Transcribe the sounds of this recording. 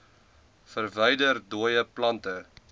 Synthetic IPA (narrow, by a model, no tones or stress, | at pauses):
fərvəjdərduəjəplɐntə